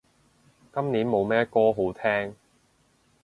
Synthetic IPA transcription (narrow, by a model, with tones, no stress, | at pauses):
kɐ˥mniː˨˥nmo˨˧wmɛː˥kɔː˥ɦo˨˥wt̪ʰɛː˥ŋ